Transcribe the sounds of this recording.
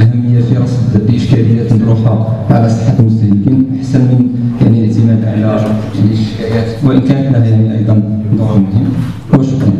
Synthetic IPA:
ʔæɦæmːəjːafiɾˤɑsˤb̪b̪ʔəʃkæləjːæt̪nəd̪ˤɾuħhaʕalæsˤə̥ħːat̪lmʊst̪æhlkinʔaħsænmənjaʕniləʕt̪əmæd̪ʕalæ | lʔəʃkæjæt̪wəʔənkænət̪næhæd̪iniʔɑ̰jd̪ˤɑnd̪ˤumʊhəmː | wəʃʊkɾɑ

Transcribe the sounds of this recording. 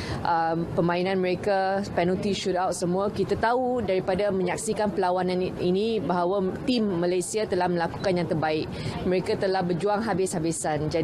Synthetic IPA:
ʔəpəmãinãnməɾekapɛnult̪iʃutawt̪̚səmũakit̪at̪audaɾipadamə̃ɲak̚sikanpəlawanãninibaɦawat̪imːalajsiat̪əlahmə̃laku̥kanjaŋt̪ərbaɪk̚ | məɾekat̪əlahbərd͡ʒuaŋɦabɪshabɪsand͡ʒa

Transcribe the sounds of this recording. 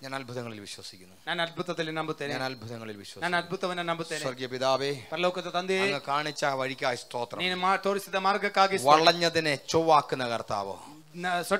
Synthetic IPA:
ɲaːnɐlbʱuðɐŋːɐɭilʋiɕwɐsi̥kʲːunːuɲaːnɐl̚bʱut̪ːɐt̪ːilnɐmbʱut̪ːɐnɲaːnɐlbʱuðɐŋːɐɭilʋiɕwɐsɲːnɐd̪̚bʱut̪ːɐʋnɐnɐmbʱut̪ːɐsɐrɡijɐpiðaːʋepɐɾɐloːkɐt̪ːɐt̪ɐnd̪eŋːɐkaːɳit͡ɕːaʋɐɻikʲːaːjist̪oːt̪rɐmniːnmat̪oːɾist̪iðɐmaːrɡɐkːaːɡisʋɐɭːɐɲːɐðinet͡ɕoʋaːkːunːɐkɐrt̪a̰ːʋɨ̰ | nsɐ

